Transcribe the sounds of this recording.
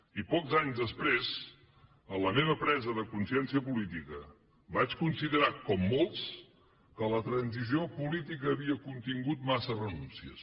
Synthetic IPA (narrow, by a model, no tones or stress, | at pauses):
ipɔkzaɲzðəspɾez | ələmeβəpɾɛzəðəkunsiɛnsiəpulit̪ikə | bat͡ʃkunsiðəɾakɔmːolˠs | kələt̪ɾənziziopulit̪ikəːβiəkunt̪iŋɡut̪masərənunsiə̰s